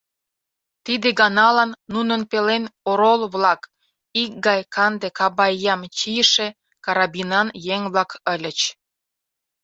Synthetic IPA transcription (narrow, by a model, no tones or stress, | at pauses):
t̪id̪eɡɑnɑlɑnːunənpelenoɾolβlɑk | ik̚ɡɑjkɑnd̪ekɑbɑjːɑmt͡ɕijəʃe | kɑɾɑbinɑnjeŋβlɑkəlʲə̆t͡ɕ